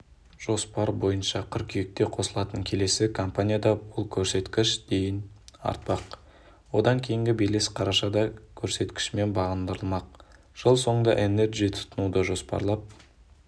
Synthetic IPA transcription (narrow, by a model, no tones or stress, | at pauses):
ʒ̥o̞spɑɾbo̞jənʃɑqʲʰʏɾkʲʰijek̚t̪e̞qʰo̞səlˠɑt̪əŋkʲʰe̞le̞sɪkʰo̞mpanʲijad̪ɑbʊlˠkʲʰɵɾse̞t̪kʲɪʃd̪̥e̞jɪnɑ̰ɾt̪̚pɑq | wo̞d̪ɑŋkʲʰe̞jɪŋɡʲɪbejle̞sqʰɑɾɑʃɑd̪ɑkʲʰɵɾse̞t̪kʲɪ̥ʃme̞nbɑʁənd̪əɾəlˠmɑq̚ | ʒ̥əlˠso̞ɴd̪ɑʔene̞ɾɡʲit̪ʰʊ̥t̪ʰənud̪əʒo̞spɑ̰ɾlˠɑp̚